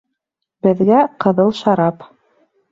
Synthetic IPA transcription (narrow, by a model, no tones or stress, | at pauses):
bɘ̆ðɡæqɤ̆ðɤlˠʃɑɾɑp